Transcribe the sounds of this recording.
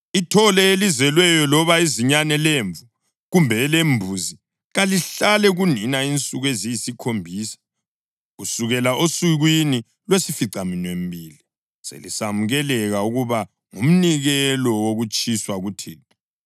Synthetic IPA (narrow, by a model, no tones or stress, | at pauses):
itʰɔlɛelizɛlwɛjɔlɔβaeziɲanɛleɱvu | ɣumbʱɛleɱbʱuzi | ɣaliɬalɛɣuninaint͡sʼuɣwezijisikʰombʱiːsḁ | ɣusuɣɛlaʔosuɣwini | lwesifiǀaminwem̩bʱiːli | sḛlḭsamuɣɛlɛɣauɣuβa | ŋum̩niɣɛlɔwoɣut͡ʃʼiswaɣutʰeːtʰḁ